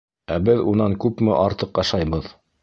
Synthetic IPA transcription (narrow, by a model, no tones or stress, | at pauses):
æbɘðunɑŋkʉpmɘʔɑɾt̪ɤqjɑʃɑjbɤð